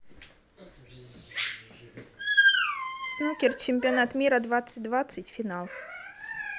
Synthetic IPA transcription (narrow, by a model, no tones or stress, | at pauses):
snukʲɛrt͡ʃɪmʲpʲianat̪mʲiɾɐd̪vat̪sɨd̪vat̪sɐt͡sʲfʲinalˠ